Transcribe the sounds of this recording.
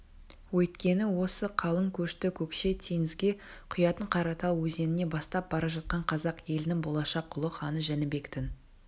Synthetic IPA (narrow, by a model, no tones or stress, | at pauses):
wɵjt̪kʲe̞nɪwo̞səqʰɑlˠəŋkʲʰɵʃt̪ɪkʲʰɵkʃe̞t̪ʰe̞ŋɪzɡʲe̞qʰʊjɑt̪əɴqʰɑɾɑt̪ɑwwɵze̞nɪne̞bɑst̪ɑp̚bɑɾɑʒɑt̪̚qɑɴqʰɑzɑqje̞lɪnɪŋbo̞lˠɑʃɑqʊlˠəχɑnəʒænɪbe̞kt̪ɪn